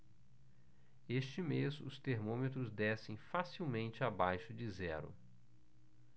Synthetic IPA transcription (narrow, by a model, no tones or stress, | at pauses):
est͡ʃɪmezʊst̪eɾmõmet̪ɾʊzd̪ɛsẽj̃fasiwmẽnt͡ʃɪabajʃʊd͡ʒɪzɛ̰ɾʊ̰